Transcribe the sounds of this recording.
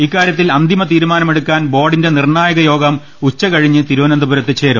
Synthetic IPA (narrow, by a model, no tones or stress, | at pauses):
ikːaːɾjɐt̪ːilɐnd̪ʱimɐt̪iːɾumaːnɐme̞ɽukːaːnbo̞ːɖinde̞nirɳaːjɐɣɐjo̞ːɡɐm | ut͡ɕːɐkɐɻiɲːɨt̪iɾuʋɐnɐnd̪ɐbuɾɐt̪ːɨt͡ɕe̞ːɾṵ